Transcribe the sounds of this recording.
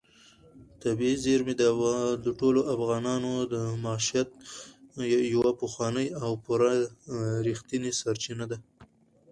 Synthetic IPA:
t̪abiizeɾmed̪d̪əʈoloʔafɣɑnɑnod̪əmaʃijat̪̚ | jawapəxwɑnəjawpuɾa | ɾixt̪inesaɾt͡ʃinad̪a

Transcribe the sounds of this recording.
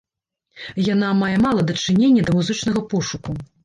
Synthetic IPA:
jan̪amajɛmalˠɐd̪ɐt͡ʂɨnʲenʲːɐd̪ɐmuzɨt͡ʂnɐɣɐpɔʂuku

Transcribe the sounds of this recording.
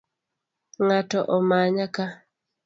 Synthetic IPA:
ŋatɔʔɔmaɲaka

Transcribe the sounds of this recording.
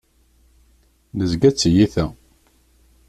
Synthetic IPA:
nəzɡæt͡sːjiθæ

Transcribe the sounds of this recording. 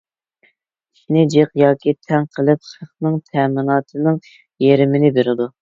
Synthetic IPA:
i̥ʃnɪd͡ʒeqjɑːkʲʰit̪ʰɛŋqʰəlˠɨp̚ʃəχnɨŋt̪ʰɛmɪnɑːt̪ʰɨnɨŋ | jeɾɪmɪnɪbeɾɪd̪u

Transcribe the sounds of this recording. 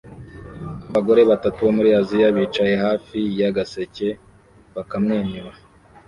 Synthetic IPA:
aβaɡo̞ɾe̞βatatuβomuɾiazijaβit͡ʃajehaːfijaɡase̞ce̞ | βakamŋeːniɾa

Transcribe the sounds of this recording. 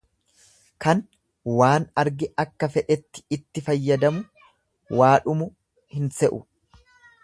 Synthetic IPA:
kɐn | waːnɐɾɡɪɐkːɐfɛᶑɛt̪ːɪ̥ɪt̪ːɪfɐjːɐd̪ɐmʊ | waːᶑʊmʊ | hɪnsɛʔʊ̰

